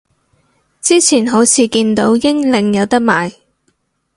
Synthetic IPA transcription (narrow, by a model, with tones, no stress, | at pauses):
t͡siː˥t͡sʰiː˨˩nɦo˨˥wt͡sʰiː˨˧kiː˧nt̪o˨˥wjɪ˥ŋlɪ˨˧ŋjɐ˨˧wt̪ɐ˥k̚maː˨j